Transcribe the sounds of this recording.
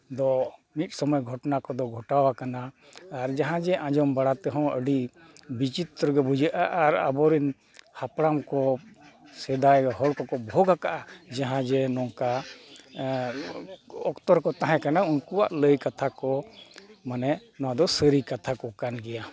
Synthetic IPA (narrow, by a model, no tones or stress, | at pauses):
d̪ɔmit̪̚ˀsɔmɔjɡʱɔʈnakɔd̪ɔɡʱɔʈawakanaː | ɾd͡ʒaɦãd͡ʒɛʔãd͡ʒɔmbaɽat̪ɛɦɔ̃əɖi | bit͡ʃit̪ːɾɡɛbud͡ʒaʔaʔaɾa̰bɔɾin | hapɽamkɔ | sɛd̪ajɦɔlkɔkɔbʱɔɡakaʔad͡ʒaɦãd͡ʒɛnɔŋka | ɔkt̪ɔɾkɔt̪aɦãkanaunkuwa̰ʔləjkat̪ʰakɔ | manɛnɔãd̪ɔsəɾikat̪ʰakɔkanɡɛja